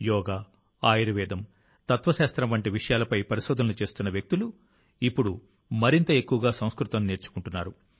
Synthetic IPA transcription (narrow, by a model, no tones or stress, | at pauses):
jɔːɡaː | aːjiɾɐʋɛːd̪ɐm | t̪ɐt̪ʋɐʃaːst̪ɾɐmʋɐɳʈiʋiʂɐjaːlɐpɐjpɐɾiʃɔːd̪ʱɐnɐlut͡ʃe̞ːst̪unːɐʋjɐk̚t̪ilu | ipːuɽu | mɐɾint̪ɐe̞kːuʋɐɡaːsɐ̃w̃skɾut̪ɐmne̞ːɾt͡ʃu̥kuɳʈunːaːɾu